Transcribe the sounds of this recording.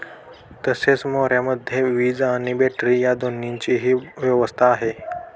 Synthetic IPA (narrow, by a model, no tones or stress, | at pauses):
t̪əset͡smoɾjaməd̪ʱːjeʋiːd͡zaɽ̃ibeʈɾijad̪oniɲt͡ɕiɦiːʋjɛʋəst̪ʰaːɦe